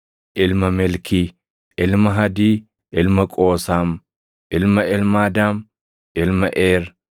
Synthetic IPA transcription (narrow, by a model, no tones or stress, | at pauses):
ʔɪlmɐmɛlkiː | ɪlmɐɦɐd̪iː | ɪlmɐkʼoːsaːm | ʔɪlmɐɪlmaːd̪aːm | ʔɪlmɐʔeːɾ